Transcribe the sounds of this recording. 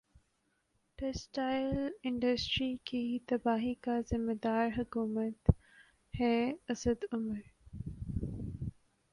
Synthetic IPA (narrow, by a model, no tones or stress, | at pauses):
ʈɛsʈaːɪlɪ̃ɳɖəsʈɾikit̪ɐbaːɦikazɪmːed̪aːɾɦʊkuːmət̪ | hɛːɐsəd̪ʊməɾ